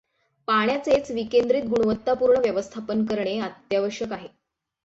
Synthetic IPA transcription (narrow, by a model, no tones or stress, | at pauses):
paɳ̃jat͡set͡sʋikend̪ɾiːt̪̚ɡuɽuʋət̪ːapuːɾɳəʋjəʋəst̪ʰapənkəɾɳeat̪jaʋəɕjəkaɦe